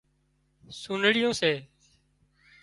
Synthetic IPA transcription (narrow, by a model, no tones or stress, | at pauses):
suːnɽɪjõːseː